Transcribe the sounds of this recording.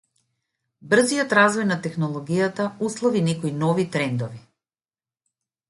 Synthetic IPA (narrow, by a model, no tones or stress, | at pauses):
br̩zijɔt̪ɾazvɔjnat̪ɛxnɔlˠɔɡijat̪auslˠɔvinɛkɔinɔvit̪ɾɛnd̪ɔvi